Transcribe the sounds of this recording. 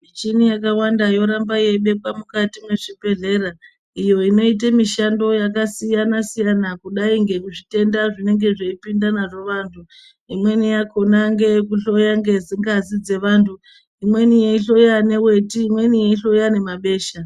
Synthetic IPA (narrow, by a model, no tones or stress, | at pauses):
mit͡ʃinijakawandajo̞ɾambaje̞ɓe̞p̚wamukatimwe̞ʐibe̞ɮe̞ɾa | ijo̞ino̞it̬amiʃando̞jak̬asijanasijanakuɗaiŋɡe̞kuʐite̞ndaʐine̞ŋɡe̞ʐeipindanaʐe̞ʋaːntʰu | imwe̞nijako̞naŋɡe̞kuɬo̞jaŋɡe̞ziŋɡazid͡ze̞ʋaːntʰu | imwe̞nijeiɬo̞jane̞we̞tiːmwe̞nijeiɬo̞jane̞maɓe̞ːʃa